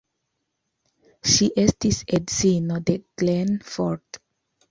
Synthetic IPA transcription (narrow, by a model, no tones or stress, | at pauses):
ʃiʔɛstisɛdsinod̪eɡ̥lɛ̃nfɔɹt